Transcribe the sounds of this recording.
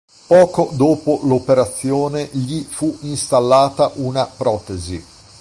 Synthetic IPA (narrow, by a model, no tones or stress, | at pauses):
pɔːkod̪oːpolopeɾat̪sːjoːneʎifuinst̪alːaːt̪aʔunapɾɔːt̪ezi